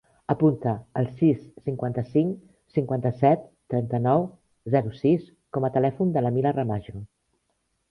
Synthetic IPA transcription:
əpunt̪əːlˠsisːiŋkwant̪əsiŋ | siŋkwant̪əsɛt̪ːɾɛnt̪ənɔw | zɛɾusis | kɔmət̪əlɛfund̪ələmilərəmaʒo

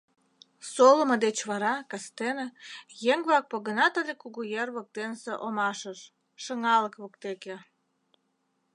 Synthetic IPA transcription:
soləmə̆d̪et͡ɕβɑɾɑkɑst̪enejeŋβɑk̚poɣənɑt̪əlekuɣujerβok̚t̪enseʔomɑʃəʃ | ʃəŋɑləkβokt̪eke

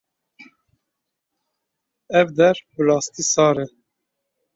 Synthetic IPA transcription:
ɛvd̪ɛɾbəlɑːst̪iːsɑːɾɛ

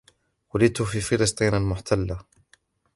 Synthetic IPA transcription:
walɪt̪ʊfiːfɪlɨsˤt̪ˤiːnalmʊħt̪ʰalːa

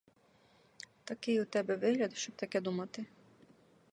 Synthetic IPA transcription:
t̪ɐkɪjut̪ɛbɛʋɪɦlʲɐd̪ʃt͡ʃɔp̚t̪ɐkɛd̪umɐt̪ɪ

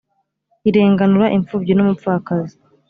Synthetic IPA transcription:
iɾe̞ːŋɡanuɾaʔiɱfuːbɟinomup̪fuakazi

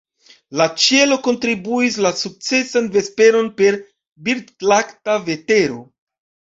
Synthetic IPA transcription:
lat͡ʃe̞lo̞ko̞ntɾibuis̬lasuk̚t͡se̞sanve̞spe̞ɾo̞npe̞ɾ | biɾdlaktave̞te̞ɾo̞̰

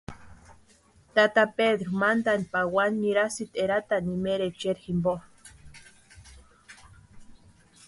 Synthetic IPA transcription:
t̪at̪apeðɾomand̪anpawanɲiɾasit̪eɾat̪animeɾet͡ʃeɾximbo

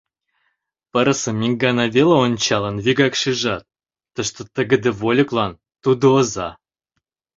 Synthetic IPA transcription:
pə̆ɾə̆sə̆mʲiŋɡɑnɑvʲeləonʲt͡ɕɑlənvʲiɡɑkʃiʒɑt̪̚ː | ə̆ʃt̪ot̪ə̆ɡə̆d̪ə̆volʲə̆klˠɑn | t̪ud̪oːzɑ

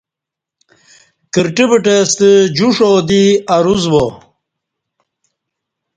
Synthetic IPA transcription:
kiɾʈibiʈest̪əd͡ʑuʂoːd̪iɐɾuzbo

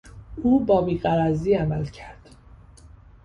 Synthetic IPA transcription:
uːbɒːbiːɣæɾæziːæmælcʰæɾd̪̥

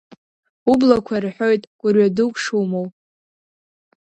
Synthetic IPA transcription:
ublakʷʰarħʷᶣo̞jtʼɡ̥ʷʼʊrɥadɨkʷʼʂumow

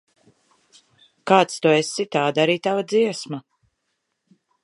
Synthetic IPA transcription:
kaːt̪st̪uesit̪aːd̪aɾiːt̪avad̪ziɛsma

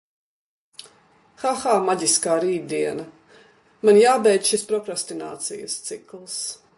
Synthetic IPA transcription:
xaxaːmaɟʲiskaːɾiːd̪̚d̪iɛnɐ | manjaːbɛjd̪ʃispɾɔkɾast̪ina̰ːt̪sijə̰st̪siklˠs

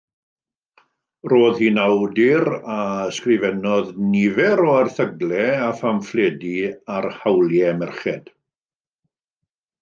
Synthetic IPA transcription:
roːðhinawdɪɾaəskrɪvɛnɔðnivɛɾɔarθəɡlɛafamflˠeːdiarhawlˠjɛmɛrχɛd̥

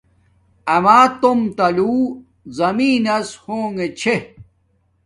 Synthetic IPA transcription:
ɐmaːt̪omt̪ɐluː | zɐmiːnɐshoːŋet͡ɕʰe

